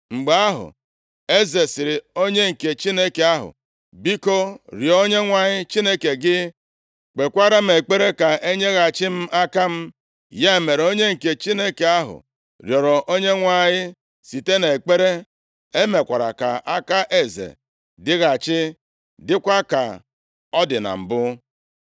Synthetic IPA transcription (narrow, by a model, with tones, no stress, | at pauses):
ŋ͡m̩˨ɡ͡ba˨a˦ɦʊ̰˨ | e˦ze˨sɪ˨ɾɪ˨o˦ɲe˦ŋ̩˨ke˨t͡ʃi˦ne˦ke˨a˦ɦʊ̰˨ | bi˦ko˦ɾjɔ˨˦o˦ɲe˦ŋʷa˨ɲɪ˦t͡ʃi˦ne˦ke˨ɡɪ˦ | k͡pe˨kʷa˦ɾa˦m̩˦e˨k͡pe˦ɾe˦ka˨ʔe˦ɲe˦ɣa˨t͡ʃɪ˦m̩˦ʔa˦ka˦m̩˦ | ja˦e˨me˨ɾo˦ɲe˦ŋ̩˨ke˨t͡ʃi˦ne˦ke˨a˦ɦʊ̰˨ | ɾjɔ˨ɾɔ˨ʔo˦ɲe˦ŋʷa˨ɲɪ˦ | si˨te˦ne˨k͡pe˦ɾe˦ | e˦me˨kʷa˨ɾa̰˨ka̰˨ʔa˦ka˦ʔe˨zḛ˨ | dɪ˦ɣa˨t͡ʃɪ˦ | dɪ˦kʷa˦ka̰˨ | ɔ˦dɪ˨na̰˨m̩˨bʊ˦